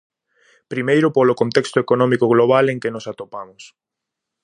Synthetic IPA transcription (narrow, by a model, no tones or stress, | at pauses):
pɾimejɾʊpolʊkont̪ɛkst̪ʊekonɔmikʊɣloβaleŋkɪnʊsat̪opamʊs